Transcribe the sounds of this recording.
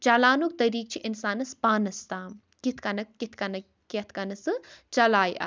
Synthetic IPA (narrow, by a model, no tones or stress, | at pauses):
t͡ʃɐlaːnuk̚t̪ɐɾiːk̚t͡ʃʰiʔinsaːnɐspaːnɐst̪aːm | kit̪ʰkɐnɐkkit̪ʰkɐnɐ | kɐt̪ʰkɐnɐsɨt͡ʃɐlaːjʔɐ̰